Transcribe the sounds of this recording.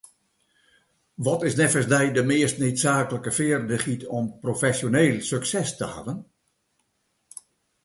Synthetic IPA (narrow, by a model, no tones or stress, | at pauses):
ʋɔtɪsnɛfəsdɛjdəmɪːstneːtsaːkələkəfɪərdəχitʰɔmprofɛsjoneːlˠsøksɛstəha̰vən